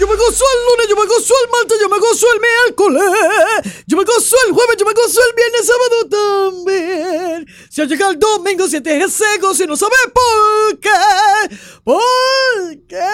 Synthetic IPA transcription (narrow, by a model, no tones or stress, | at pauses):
d͡ʒomeɣosoelːunesʝomeɣosoelmalt̪oʝomeɣosoelmealkole | d͡ʒomeɣostoelxweβesd͡ʒomeɣostoelbjeɾnes̬ːaβaðot̪ambjen | siad͡ʒeɣaeld̪omĩŋɡos̬iet̪eheseɣos̬inosaβepoɾke | poɾke